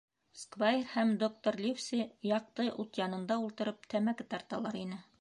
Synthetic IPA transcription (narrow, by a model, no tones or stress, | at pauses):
skvajerhæmd̪ok̚t̪oɾlʲifsʲijɑq̚t̪ɤʔut̪jɑnɤ̆nd̪ɑulˠt̪ɤ̆ɾɤp̚t̪ʰæmækɘt̪ɑɾt̪ɑlˠɑɾinɘ